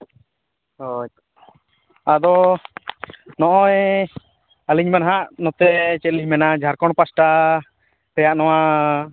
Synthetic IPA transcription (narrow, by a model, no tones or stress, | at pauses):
ɔ | ad̪ɔ | nɔʔɔɛ | aliɲmɛnɦaʔnɔt̪ɛt͡ʃɛt̪liɲmɛnad͡ʒʱaɾkɔɳpasʈa | t̪ɛjaʔnɔwa